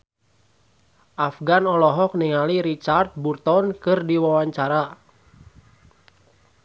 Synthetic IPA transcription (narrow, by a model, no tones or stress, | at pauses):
ʔafɡanɔlɔɦɔk̚niŋaliɾit͡ʃart̪̚burt̪ɔnkɨrdiwawaɲt͡ʃaɾa